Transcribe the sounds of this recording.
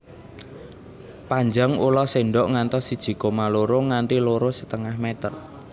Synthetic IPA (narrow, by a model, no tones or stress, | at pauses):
paɲd͡ʒəŋulɔseɳɖɔʔŋant̪ɔsid̥ʒ̥i̤komaloɾoŋaɳʈiloɾosət̪əŋahmɛt̪ər